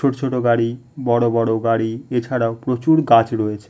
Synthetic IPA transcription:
oʈot͡ɕʰoʈoɡaɽibɔɽobɔɽoɡaɽiet͡ɕʰaɾaopɾot͡ɕuɾɡat͡ɕɾoet͡ɕʰe̥

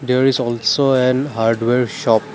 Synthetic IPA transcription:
d̪eɹizɔlsoɛnɦaɹɖweɹʃɔp̚

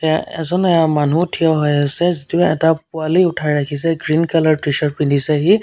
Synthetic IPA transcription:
tɛaɛ̰zɔnɛjamanutʰijɔɦɔjasɛzitiɛɛtap̚ualiʊtʰajɹakʰisɛɡɹinkalaɹtɹiʃɔɹpindʱisɛɦi

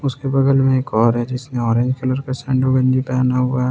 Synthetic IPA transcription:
ʊskebɐɡəlmẽeːkɔːɾɦɛd͡ʒɪsnẽɔːɾẽɲd͡ʒkɐləɾkasɛ̃ːɳɖoɡɐ̃nd͡ʒipɛaːnaɦʊa

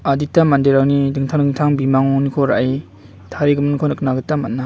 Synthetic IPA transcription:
aditamandeɾawnidɯŋtʰaŋdɯŋtʰaŋbimaŋɔnikʰɔɾa̰ij | tʰaɾiɡɯmɯnkʰɔnɯk̚naɡɯtamatnːa

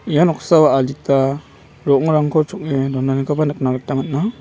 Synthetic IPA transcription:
ijanɔkʰsawaalita | ɾɔŋɾaŋkʰɔt͡ʃʰuk̚nedɔnanikʰabanɯk̚naɡatːamat̚na

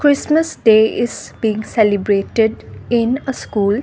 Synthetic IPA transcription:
kɾɪsməsɖeizbĩːŋselibɾeʈeɖĩnəskul

